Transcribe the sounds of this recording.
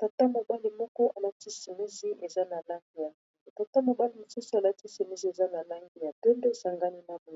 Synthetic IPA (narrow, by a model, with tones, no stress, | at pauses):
ta˨ta˦mo˨ba˦li˨mɔ˦kɔ˦ʔa˨la˦ti˦si˨mi˦zi˦ʔe˨za˦na˨la˦ŋɡi˨ja˨ta˨ta˦mo˨ba˦li˨mo˨su˦su˦a˨la˦ti˦si˨mi˦zi˦e˨za˦na˨la˦ŋɡi˦˨ja˨te˦ndo˦e˨sa˨ŋɡa˦ni˦na˨bo˨